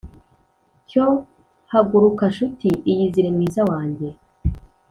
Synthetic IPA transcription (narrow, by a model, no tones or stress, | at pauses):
co | haɡuɾukaʃutiijiziɾemŋiːzawaːɲɟe̞